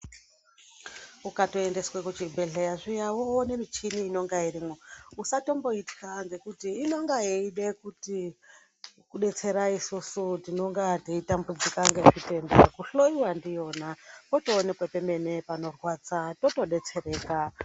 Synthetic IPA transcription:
ukatoe̞nde̞swekut͡ʃibʱe̞ɮejaʐijawone̞mit͡ʃiniːno̞ŋɡairimwo̞usato̞mbo̞iti̥kanze̞kutiːno̞ŋɡajeiɗekuti | kuɗe̞t͡se̞ɾaisusutino̞ŋɡateitambud͡zikaŋɡeʐite̞nbekuɬoiwandijo̞ːnapotoːnekwepeme̞ne̞pano̞rwat͡sato̞to̞ɗe̞t͡se̞ɾe̞ːka

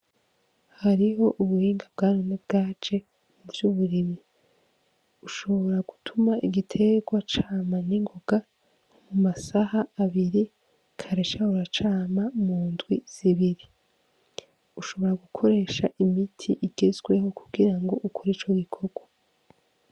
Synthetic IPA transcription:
haɾiɦo̞ʔuβuhiːŋɡab̚ɡaːnonebɡaːt͡ʃe̞ | muvjuːβuɾiβi | uʃo̞βo̞ɾaɡ̥utʰumaiɡitʰe̞ɡwat͡ʃaːmaniŋɡo̞ɡa | mumasahaːβiɾi | kʰaɾeʃahuɾat͡ʃaːmamuːndɡwiz̥iβiɾi | uʃo̞βo̞ɾaɡukʰo̞ɾe̞ːʃaʔimitʰḭʔiɡezɡwe̞ho̞kʰuɡiɾaŋɡo̞ʔukʰoɾit͡ʃo̞ɡikʰo̞ɡwa

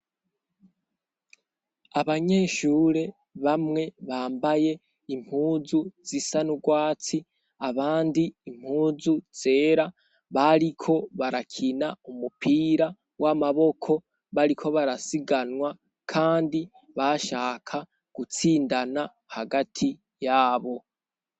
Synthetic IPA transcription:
aβaɲe̞ːʃuːɾe̞ | βamŋe̞βaːmbaje̞ | im̥huːzuz̥isanuɡwaːt͡si | aβaːndiːm̥huːzuz̥e̞ːɾa | βaɾikʰo̞βaɾakʰinaumupʰiːɾa | wamaβo̞kʰo̞ | βaɾikʰo̞βaɾasiɡanwa | kʰaːndi | βaʃaːkʰa | ɡ̥ut͡siːndana | haɡatʰi | jaːβo̞

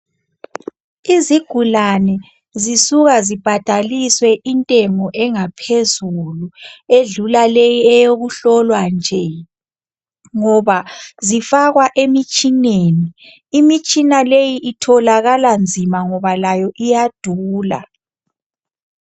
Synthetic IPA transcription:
iziɡ̥ʱulanɛ | zisuɣazib̥ʱad̥ʱaliswɛʔintʼɛŋɔʔɛŋapʰezulueɮulalɛjɛjoɣuɬɔlwand͡ʒʱɛ | ŋɔβazifaɣwaʔemit͡ʃʼineniː | mit͡ʃʼinalejiʔitʰɔlaɣaland͡zʱimaŋɔβalajɔʔijad̥ʱuːla̰

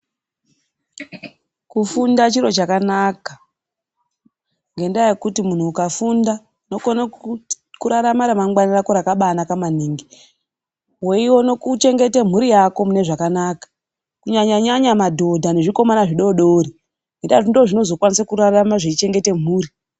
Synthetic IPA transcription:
kufundat͡ʃiɾo̞t͡ʃakanaka | ŋɡe̞ndajekutimun̤uːkafunda | uno̞kona | kuɾaɾamaɾamaŋɡwanirako̞ɾakaɓanakaman̤iːŋɡi | we̞iwo̞no̞kut͡ʃe̞ŋɡe̞tem̤uɾijako̞mune̞ʐakanaːkḁ | kuɲaɲaɲaɲamadʱo̞dʱane̞ʐiko̞manaʐiɗo̞ɗoːɾi | ŋɡendatindoʐino̞zo̞kwanisakuɾaramaʐet͡ʃit͡ʃe̞ŋɡe̞te̞m̤uːɾi

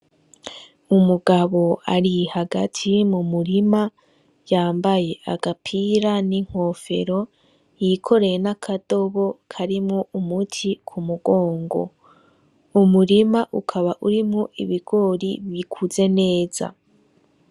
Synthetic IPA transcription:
umuɡaβo̞a̰ɾihaɡatʰimumuɾima | jaːmbaje̞ʔaɡapʰiɾaniŋ̥ho̞fe̞̰ɾo̞ | jikʰo̞ɾe̞jenakʰado̞βo̞kʰaɾimŋoʔumutʰikʰumuɡo̞ːŋɡo̞̰ | umuɾimaʔukʰaβaʔuɾimŋoʔḭβiɡ̥o̞ːɾiβikʰuze̞ne̞ːz̥a̰

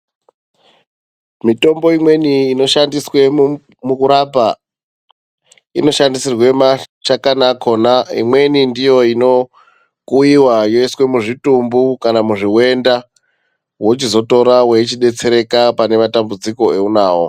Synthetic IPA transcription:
mito̞mbo̞imwe̞niːno̞ʃandiswe̞ | mukuɾapa | ino̞ʃandisirwe̞mat͡ʃakanakʰo̞naḭmwe̞nindijo̞ino̞ | kuiwajoiswe̞muʐitumbukanamuʐiwe̞nda | wot͡ʃizo̞to̞ɾaweit͡ʃiɗe̞t͡se̞ɾe̞kapane̞matambud͡ziko̞e̞unaːwo̰

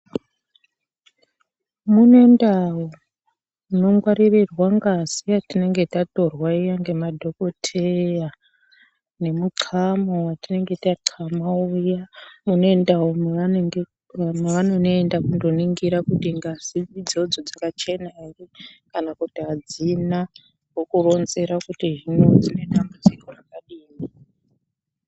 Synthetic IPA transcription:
munoe̞ndawo | muno̞ŋɡwaɾirirwaŋɡaziatine̞ŋɡe̞tato̞rwaijaŋɡe̞madʱo̞ko̞tʰeja | ne̞muǀʰamowatine̞ŋɡe̞taǁʰamaujamuno̞e̞ndaomae | ameʋano̞noendakundo̞niŋɡiɾakutiŋɡaz̥iid͡zo̞d͡zo̞d͡zakat͡ʃe̞nairikanakutiad͡zina | wokuro̞nze̞ɾakutiʐino̞d͡zine̞ɗambud͡zikorakaɗiːmi

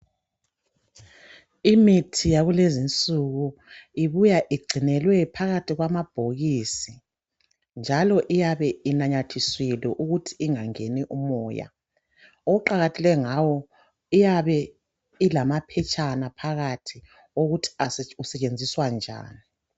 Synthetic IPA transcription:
imitʰijaɣulezint͡sʼuɣuiβujaʔiɡ͡ǀʱinɛlwɛpʰaɣatʰiɣwamab̥ʱoɣisi | nd͡ʒʱalɔʔijaβɛinaɲatʰiswilɛʔuɣutʰi̥ːŋaŋeniʔumɔːja̰ | ouǃaɣatʰɛlɛŋawɔ | ijaβɛ | ilamapʰɛt͡ʃʼanapʰaɣatʰi | oɣutʰi̥ausɛt͡ʃʼend͡zʱiswand͡ʒʱa̰ːni

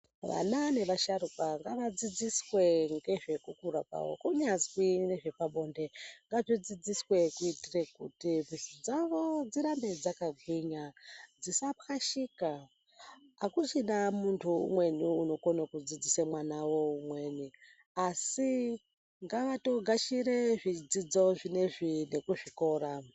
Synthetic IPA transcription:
ʋa̰nane̞ʋaʃaɾupaŋɡaʋad͡zid͡ziswe̞ŋɡe̞ʐe̞kukuɾa̰pa̰wo̰kuɲazwineʐe̞paɓo̞nde̞ŋɡab͡ʐid͡zid͡ziswe̞kuitirekṵtivʱisud͡zaʋo̞d͡ziɾambe̞d͡zakaɡʱwiɲad͡zisapaʃika | akusinamuntʰuṵmwe̞niuno̞konakud͡zid͡zisemwanawo̞umwe̞ːni | asi | ŋɡaʋato̞ɡʱaʃireʐid͡zid͡zo̞ʐine̞ʐine̞kuʐiko̞ːɾa

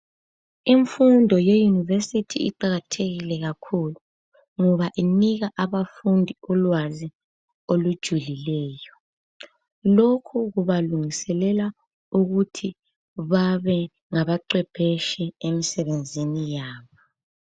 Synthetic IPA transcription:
iɱfundʱɔjejunivesitʰḭiǃaɣatʰeɣilɛɣakʰulu | ŋɔβaʔiniɣaʔaβafundʱiɔlwazi | olud̥ʒ̥ʱulilɛːjɔ | lokʰuɣuβaluŋisɛlɛla | uɣutʰi | βaβɛ | ŋaβaǃwɛb̥ʰʱɛʃɛemisɛβend͡zʱinijaːβɔ

